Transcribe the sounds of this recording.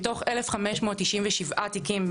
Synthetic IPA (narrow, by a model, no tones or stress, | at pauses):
to̞χelefχameʃmoːtːiʃimvɛʃivʔat̪ikim